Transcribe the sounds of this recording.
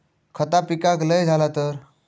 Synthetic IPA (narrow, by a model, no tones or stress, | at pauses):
kʰət̪apikakləjd͡zʱalat̪əɾ